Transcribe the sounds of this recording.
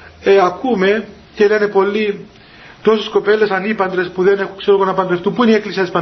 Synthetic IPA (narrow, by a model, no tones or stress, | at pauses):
eɐkume̞ | ce̞lene̞po̞lːi | t̪o̞sesko̞pe̞lːesɐnipɐnd̪ɾe̞spuðe̞ne̞xukseɾoɣonɐpɐnd̪ɾeft̪upuinieklisiɐt̪ispɐ